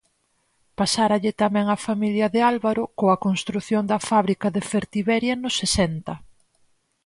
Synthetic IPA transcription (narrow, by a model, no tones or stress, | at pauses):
pasaɾɐʎɪt̪amɛ̃ŋɐfamiljɐðɪalβaɾʊkoɐkonst̪ɾuθjond̪ɐfaβɾikɐðefeɾt̪iβɛɾjanʊsesɛnt̪ɐ